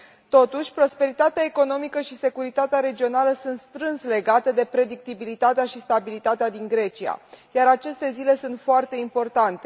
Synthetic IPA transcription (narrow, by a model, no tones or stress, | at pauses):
t̪o̞t̪uʃʲpɾo̞spe̞ɾit̪at̪eaeko̞no̞mikəʃise̞kuɾit̪at̪eaɾe̞d͡ʒio̞naləsunt̪st̪ɾɨnsle̞ɡat̪əd̪e̞pɾe̞d̪ik̚t̪ibilit̪at̪eaʃist̪abilit̪at̪ead̪iŋɡɾe̞t͡ʃia̰jaɾat͡ʃe̞st̪e̞zile̞sunt̪foart̪e̞impo̞rt̪ant̪e̞